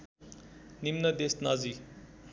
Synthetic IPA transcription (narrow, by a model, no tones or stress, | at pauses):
nimnəd̪esnazi